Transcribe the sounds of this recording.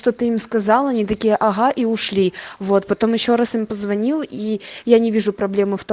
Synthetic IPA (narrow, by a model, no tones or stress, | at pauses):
ʂt̪ot̪ɨimskɐzɑlˠɐnʲit̪ɐkʲijəʔɐɣaʔiʊʂlʲivo̞t̪pɐt̪o̞mjɪɕːo̞ɾasimpəzvɐnʲilˠijanʲɪvʲiʐʊpɾɐblʲe̞mɨft̪o